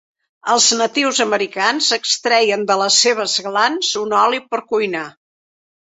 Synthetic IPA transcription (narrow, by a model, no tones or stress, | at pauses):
əlˠznət̪iwzəməɾikanzəkst̪ɾɛjənd̪ələseβ̞əzɣlanzunɔlipəɾkujna